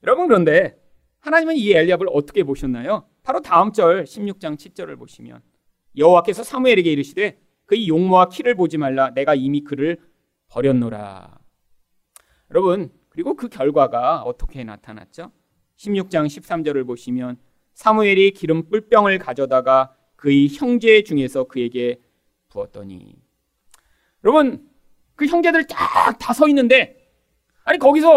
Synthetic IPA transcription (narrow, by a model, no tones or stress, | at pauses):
jʌɾʌbɯnkɯɾʌnde̞ | hanaɲimɯnieʎːiɦabɯɾʌt͈ʰʌ̥kʰe̞poɕʰʌnːajo | paɾotaɯmt͡ɕ͈ʌɭɕʰimɲuk̚t͡ɕ͈aŋt͡ɕʰiɭt͡ɕ͈ʌɾɯ̰ɭpoɕʰimjʌ̰n | jʌɦowak͈e̞sʰʌsʰamueɾe̞ɡe̞iɾɯɕʰide̞ | kɯijoŋmowakʰiɾɯɭpod͡ʑimaɭːane̞ɡaimikɯɾɯɭ | pʌɾjʌnːoɾa̰ | jʌɾʌbɯn | kɯɾiɡokɯkjʌɭɡwaɡaʌt͈ʰʌkʰe̞na̰tʰana̰t̚t͡ɕ͈o | ɕʰimɲuk̚t͡ɕ͈aŋɕʰip̚s͈amd͡ʑʌɾɯɭpoɕʰimjʌn | sʰamueɾikiɾɯmp͈uɭp͈jʌŋɯɭkad͡ʑʌdaɡa | kɯiçjʌŋd͡ʑe̞d͡ʑuŋe̞sʰʌkɯe̞ɡe̞ | puʌt̚t͈ʌɲḭ | jʌɾʌbɯn | kɯçjʌŋd͡ʑe̞dɯɭt͈ak̚tasʰʌinːɯnde̞ | aɲikʌɡisʰʌ